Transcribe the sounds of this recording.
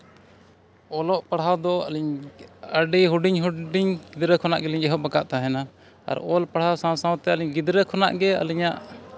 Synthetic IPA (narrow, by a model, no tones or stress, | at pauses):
ɔlɔʔpaɽɦawd̪ɔa̰liɲəɖiɦuɖiɲɦuɖiɲɡid̪ɾəkʰɔnaʔɡɛliɲɛɦɔʔbakaʔt̪aɦɛna | a̰ɾɔlpaɽhawsãwsãw̃t̪ɛaliɲɡid̪ɾɛkʰɔna̰ʔɡɛa̰liɲaʔ